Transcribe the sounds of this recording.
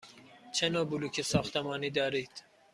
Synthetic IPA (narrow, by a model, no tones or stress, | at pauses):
t͡ʃʰenɒːbuluːkʰesɒːxt̪ʰemɒːniːd̪ɒːɾiːd̪̥